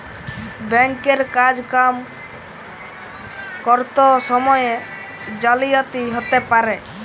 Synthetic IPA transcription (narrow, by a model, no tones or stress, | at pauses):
bɛŋkeɾkad͡ʒkam | kɔɾt̪ɔsɔmɔje | d͡ʒalijat̪iɦot̪epaɾe